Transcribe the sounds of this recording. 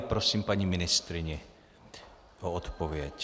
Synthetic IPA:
pɾosiːmpaɲimɪnɪst̪ɾɪɲɛ | ʔoot̪povjɛc

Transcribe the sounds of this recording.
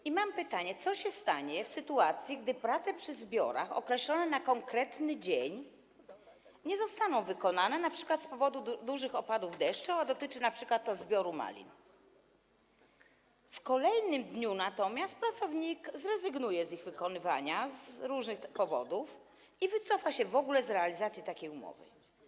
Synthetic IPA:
imampɘt̪aɲɛt̪sɔɕɛst̪aɲɛfsɘt̪uat̪sʲjiɡ̚d̪ɘpɾat̪sɛpʂɘzbʲjɔ̰ɾa̰xɔ̰kɾɛɕlɔnɛnakɔŋkɾɛt̪nɘd͡ʑeɲ | ɲɛzɔst̪anɔ̃w̃vɘkɔnanɛnapʂɘ̥kwat̪spɔvɔd̪ud̪uʐɘxɔpad̪uvd̪ɛʂt͡ʂɔad̪ɔt̪ɘt͡ʂɘnapʂɘkwat̪ːɔzbʲjɔɾuma̰lʲḭn | fkɔlɛjnɘmd̪ɲunat̪ɔmʲjast̪̚pɾat̪sɔvɲikzɾɛzɘɡnujɛziɣvɘkɔnɘva̰ɲazɾuʐnɘxpɔvɔ̰d̪uf | ivɘt̪sɔfaɕɛvɔɡulɛzɾɛalʲizat̪sʲjit̪akʲejumɔ̰vɘ̰

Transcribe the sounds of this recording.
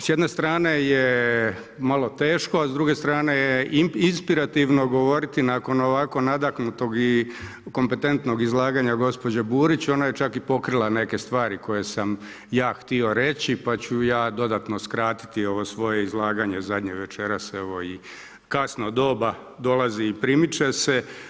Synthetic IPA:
sjed̪nest̪ɾaːneje | malˠo̞t̪e̞ːʃkoazd̪ɾuɡe̞st̪ɾaːne̞jeiinspiɾat̪iʋno̞ɡo̞ʋo̞ɾit̪inako̞no̞ʋako̞nad̪aknut̪o̞ɡi | ko̞mpe̞t̪e̞nt̪no̞ɡizlˠaːɡaɲaɡo̞spo̞d͡ʑebuːɾit͡ɕo̞naje̞t͡ʃakipo̞kɾilˠane̞ke̞st̪ʋaːɾiko̞je̞sam | jaːxt̪io̞ɾe̞t͡ɕipat͡ɕujaːd̪o̞d̪at̪no̞skɾaːt̪i̥t̪io̞ʋo̞sʋo̞je̞izlˠaːɡaɲe̞zad̪ɲeʋet͡ʃe̞ɾaseʋo̞i | kasnod̪o̞ːba | d̪o̞lˠaziːpɾimit͡ʃese

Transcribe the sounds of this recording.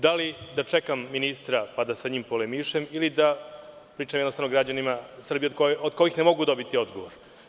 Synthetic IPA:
d̪alid̪at͡ʂekamːinist̪ɾapad̪asaɲiːmpolemiʃemilid̪a | pɾiːt͡ʃamjɛnost̪avnoɡɾad͡ʑanimasr̩biekood̪̥ko̞jixnemo̞ɡud̪o̞bit̪io̞d̪ɡo̞ʋoɾ

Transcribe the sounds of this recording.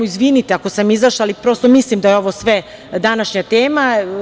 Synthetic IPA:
oizʋinit̪eakosamizaʃalipɾo̞st̪omislimd̪ajeo̞ʋosʋe | d̪anaʃɲat̪eːma

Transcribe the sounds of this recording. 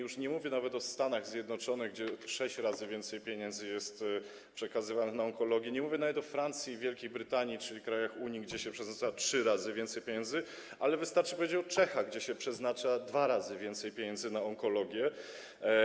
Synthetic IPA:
juʂɲɛmuvʲjɛnavɛt̪ɔst̪anaɣzʲjɛd̪nɔt͡ʂɔnɘɣɡd͡ʑɛʂɛɕt͡ɕɾazɘvʲjɛnt̪sɛjpʲjeɲɛnd̪zɘjɛst̪ | pʂɛkazɘvanɘxnaɔŋkɔlɔɡʲjɛɲɛmuvʲjɛnavɛt̪ɔfɾant̪sʲjivʲjɛlkʲejbɾɘt̪aɲit͡ʂɘlʲikɾajaxuɲiɡd͡ʑɛɕɛpʂɛznat͡ʂatʂɘɾazɘvʲjɛnt̪sɛjpʲjeɲɛnzɘ | ʔalɛvɘst̪aɾt͡ʂɨpɔvʲjed͡ʑɛt͡ɕɔt͡ʂɛxaɣɡd͡ʑɛɕɛpʂɛznat͡ʂad̪vaɾazɘvʲjɛnt̪sɛjpʲjeɲɛnzɘnaɔŋkɔlɔɡʲjɛ

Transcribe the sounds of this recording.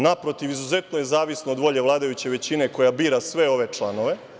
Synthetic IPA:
napɾo̞t̪iʋizuze̞t̪nojezaːʋisnoːd̪ʋo̞ʎe̞ʋlˠaːd̪ajut͡ɕe̞ʋe̞t͡ɕine̞ko̞jabiːɾasʋeo̞ʋe̞t͡ʂlˠano̞ʋe̞

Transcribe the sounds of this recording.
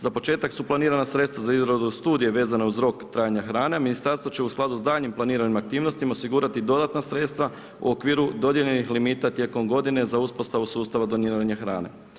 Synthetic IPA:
z̥apo̞t͡ʃe̞ːt̪aksuplaniːɾanasɾe̞t̪st̪ʋazaizɾod̪ust̪uːd̪ije̞ʋe̞ːzanauzɾo̞kt̪ɾaːjaɲaxɾaːne̞aminist̪aɾst̪ʋo̞t͡ɕe̞usklad̪uzd̪aːʎɲimplˠaniːɾanimak̚t̪iːʋno̞st̪imaosiɡuːɾat̪id̪o̞d̪at̪nasɾe̞t̪st̪ʋa | ṵokʋiːɾud̪o̞d̪je̞ʎe̞nixlimiːt̪at̪je̞ːko̞mɡo̞d̪ine̞zauspo̞st̪aʋusuːst̪aʋad̪o̞niːɾaɲaxɾa̰ːne̞̰

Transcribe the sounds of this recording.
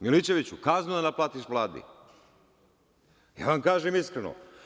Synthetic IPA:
milit͡ɕe̞ʋit͡ɕukaznud̪anaplaːt̪iʃʋlˠaːd̪ḭ | ja̰ːʋamkaːʒemiskɾeno̰

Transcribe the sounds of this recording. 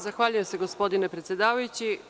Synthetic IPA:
zaxʋaːʎujeseɡospo̞d̪ine̞pɾet̪sʲje̞d̪aːʋajut͡ɕi

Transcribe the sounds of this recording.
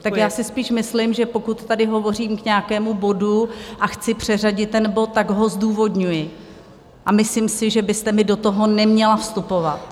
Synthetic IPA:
t̪akjaːsɪspiːʃmɪslɪmʒɛpo̞kut̪ːadɪɦo̞vo̞riːmkɲɛakɛːmubo̞duʔaxt͡sɪpr̝̥ɛraɟɪt̪ːɛnbo̞t̪̚ːaɡɦo̞zduːvo̞dɲujɪ | ʔamɪslɪmsɪʒɛbɪst̪ɛmɪdo̞t̪o̞ɦo̞nɛmɲɛlafst̪upo̞vat̪

